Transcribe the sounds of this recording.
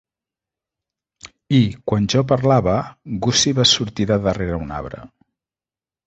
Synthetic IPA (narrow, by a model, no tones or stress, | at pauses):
ikwanʒɔp̬əɾlaβəɡusiβasuɾt̪iðəðəreɾəuna̰βɾə̰